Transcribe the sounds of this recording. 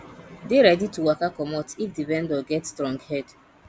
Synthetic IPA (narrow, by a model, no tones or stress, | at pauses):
deɹɛdituwakakɔmɔtifdivɛ̃ndɔɡɛtstɹɔ̃ŋɡhɛd̥